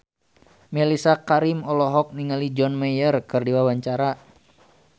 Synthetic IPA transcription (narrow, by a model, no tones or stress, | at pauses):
mɛlisakaɾimɔlɔɦɔk̚niŋalid͡ʒɔnmɛjərkɨrdiwawaɲt͡ʃaɾa